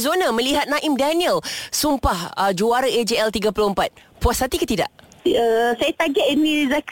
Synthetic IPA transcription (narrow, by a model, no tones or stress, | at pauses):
zonãmə̃liɦat̪̚nãʔimdaniəlsumpahəd͡ʒuaɾəed͡ʒeɛlt̪iɡapuloəmpat̪̚puashat̪ikət̪ida̰ʔəsajat̪aɡɛʔinizak